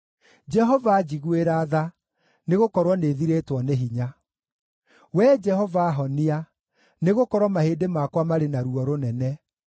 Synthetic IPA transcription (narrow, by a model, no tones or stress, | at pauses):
d͡ʒɛɦɔvad͡ʑiɣweɾaːða | neɣokɔɾwɔneðiɾeːtwɔneɦiɲa | wɛd͡ʒɛɦɔvaːɦɔnia | neɣokɔɾwɔmahedemakwamaɾenaɾuɔɾonɛnɛ